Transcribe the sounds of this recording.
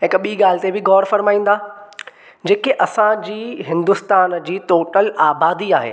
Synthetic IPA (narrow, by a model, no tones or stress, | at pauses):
ɦɪkɓiːɡaːl̤ɪt̪ebɪɡɔːɽfɐɾmaːĩːn̆d̪aː | d͡ʑeːkeʔɐsãd͡ʑiːɦɪ̃nd̪ʊst̪aːnd͡ʑiːt̪oːʈəlaːbaːd̪iaːɦḛː